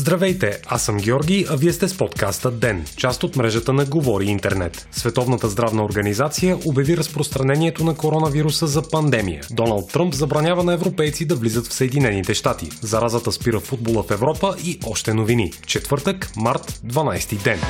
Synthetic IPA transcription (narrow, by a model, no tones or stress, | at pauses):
zd̪ɾɐvɛjt̪ɛasəmɡʲɛɔɾɡʲijɐviɛst̪ɛspɔt̪kast̪əd̪ɛnt͡ʃast̪ot̪mɾɛʒət̪ənɐɡovɔɾiint̪ɛ̰ɾnɛ̰t̪svɛt̪ɔvnət̪əzd̪ɾavnəoɾɡɐnizat̪sijəʔobʲjɐviɾəspɾost̪ɾɐnɛniɛt̪onɐkoɾɔnɐviɾusəzɐpɐnd̪ɛmḭjə̰d̪ɔnəlˠt̪ːɾəmpzɐbɾɐnʲjavənɐɛvɾopɛjt̪sid̪ɐvlizət̪fsəɛd̪inɛnit̪ɛʃt̪at̪ḭzɐɾazət̪əspiɾəfud̪̚bolˠəfɛvɾɔpəʔiʔɔʃt̪ɛnovinit͡ʃɛt̪vɤɾt̪əkmaɾt̪d̪vɐnajst̪id̪ɛn